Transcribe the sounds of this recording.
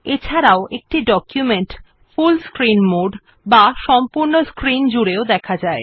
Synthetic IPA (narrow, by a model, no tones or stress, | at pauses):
et͡ɕʰaɾaoʔek̚ʈiɖɔkjumeɳʈ | fulskɾinmoɖ | baʃɔmpuɾnoskɾind͡ʑuɾeod̪ɛkʰad͡ʑae